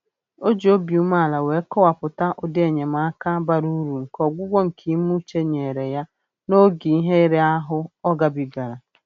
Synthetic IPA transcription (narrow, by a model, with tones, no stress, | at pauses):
o˦d͡ʒi˨o˦bi˨u˦ma˦a˨la˨we˨˦kɔ˦wa˨pʊ˨ta˦ʔo˨dɪ˦e˨ɲe˨m̩˨a˨a˦ka˦ba˦ɾu˦ɾu˨ŋ̩˨kɔ˨ɡʷʊ˦ɡʷo˦ŋ̩˨kʰi˨˦mu˦t͡ʃe˦ɲe˨ɾe˨ja˦ | no˦ɡi˨i˦ɦe˦i˦ɾe˦a˦ɦʊ˦ɔ˦ɡa˦bi˨ɡa˨ɾa˨